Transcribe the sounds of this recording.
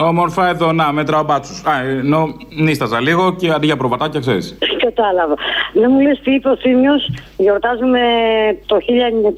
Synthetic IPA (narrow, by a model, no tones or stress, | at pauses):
o̞mo̞ɾfɐeðo̞nɐmet̪ɾɐobɐt͡susɐno̞ | nist̪ɐzɐliɣo̞ceɐd̪iʝɐpɾovɐt̪ɐcɐkseɾḭskɐt̪ɐlɐvɐnɐmulest̪iːpeoθimosʝoɾt̪ɐzumet̪oçiʎɐɲ